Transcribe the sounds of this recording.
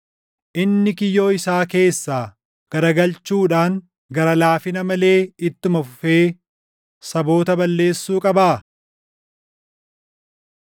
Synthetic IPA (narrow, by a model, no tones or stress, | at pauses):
ʔɪnːɪkɪjːo̞ːɪsaːke̞ːsːaː | ɡ̥ɐɾɐɡɐlt͡ʃuːᶑaːŋ | ɡɐɾɐlaːfɪnɐmɐle̞ːɪt̪ːʊmɐfʊfe̞ː | sɐbo̞ːt̪ɐbɐlːe̞ːsːuːkʼɐbaː